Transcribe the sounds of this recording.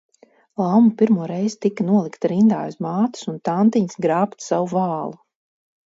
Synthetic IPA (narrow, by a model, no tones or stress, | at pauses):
lˠawmupiɾmuɔɾɛjz̥t̪ikanuɔlˠikt̪ɾind̪aːjuzmaːt̪u̥sunt̪ant̪iɲsɡɾaːpt̪sawuvɑːlˠu